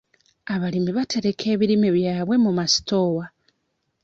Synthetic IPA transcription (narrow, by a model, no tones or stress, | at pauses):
aβalimiβatʰe̞ɾe̞kʰe̞ːβiɾimiβjaːβwe̞mumasi̥to̞wa